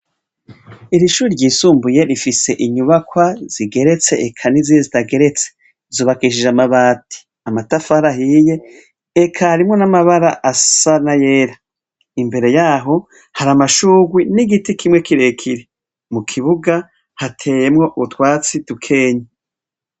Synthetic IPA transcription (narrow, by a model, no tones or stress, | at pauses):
iɾiʃuːɾiɾɟiːsuːmbuje̞ɾifise̞ʔiɲuβakwaz̥iɡe̞ɾe̞t͡se̞̰ekʰanizizitaɡe̞ɾe̞t͡se̥ | zuːβakiʃiʒamaβaːtʰi̥ | amatafaɾahije̞ː | kʰaɾimŋo̞namaβaɾaʔasanaje̞ːɾa | imbe̞ɾe̞jaːɦo̞ | haɾamaʃuːɡwiniɡitikʰimŋe̞kiɾe̞kʰiɾe | mukʰiβuɡa | hatʰe̞ːjemŋo̞ʔuβutwaːt͡sidukʰe̞ːɲe